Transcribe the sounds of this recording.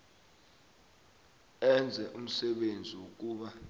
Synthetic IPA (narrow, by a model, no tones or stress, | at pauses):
ɛnd͡zʱɛʔum̩sɛɓend͡zʱiwuk̬uːɓa